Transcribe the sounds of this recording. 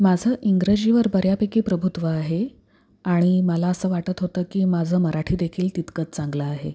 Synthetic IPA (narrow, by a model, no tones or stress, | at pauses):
mad͡zʱəːʔiŋɡɾəd͡ʑiʋəɾbəɾjapekiːpɾəbʱut̪ʋəaɦe | aɽ̃iməlaəsəːʋaʈət̪ɦot̪əːkiːmad͡zʱəːməɾaʈʰiːd̪ekʰiːlt̪it̪kət͡st͡sãŋɡləaɦe